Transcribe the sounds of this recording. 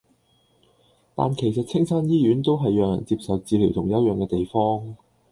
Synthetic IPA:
t̪a̰ː˨nkʰe˨˩jsɐ˨t̚t͡sʰɪ˥ŋsaː˥njiː˥jyː˨˥nt̪o˥wɦɐ˨jːœː˨ŋjɐ̰˨˩nt͡siː˧p̚sɐ˨wt͡siː˨˧liː˨˩wt̪ʰʊ˨˩ŋjɐ˨˥wjœː˨˩ŋkɛː˧t̪e˨jfɔː˥ŋ

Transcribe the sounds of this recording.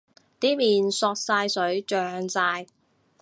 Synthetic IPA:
t̪iː˥miː˨˩nsɔː˧k̚saː˧jsɵ˨˥ɥt͡ʃœː˨˧ŋt͡saː˧j

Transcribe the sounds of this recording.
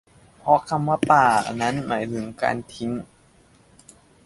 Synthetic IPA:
pʰɔ˧kʰa˧mwaː˧˩paː˨˩na˦˥nmʔaː˩˦jt̪ʰɯ˩˦ŋka̰ː˧nt̪ʰi˦˥n

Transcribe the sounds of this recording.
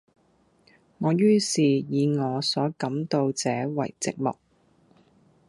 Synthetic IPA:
ŋɔː˨˧jyː˥siː˨jiː˨˧ŋɔː˨˧sɔː˨˥kɐ˨˥mt̪o˧wt͡sɛː˨˥wɐ̰˨˩jt͡sɪ˨k̚mʊ̰˨k̚

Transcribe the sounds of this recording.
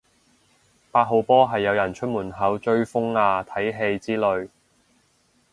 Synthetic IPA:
paː˧t̚ɦo˨˧wpɔː˥ɦɐ˨jːɐ˨˧wjɐ˨˩nt͡ʃʰɵ˥t̚muː˨˩nɦɐ˨˥wt͡ʃɵ˧ɥfʊ˥ŋaː˧t̪ʰɐ˨˥jɦe˧jt͡siː˥lɵ˨˧ɥ

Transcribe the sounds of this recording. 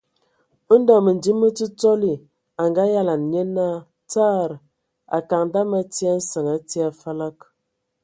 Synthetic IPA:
ə˦n˦da˨mə˨n˨di˦mːə˦ti˦t͡so˦li˨ | a˨ŋɡa˦ja˦la˨n˨ɲe˦na˦˨ | t͡saː˦˨ɾ | a̰˨ka˨ŋda˦ma˦ti˦a˦n̩˦sə˨ŋa˨ti˦a˨fa˦la˦k

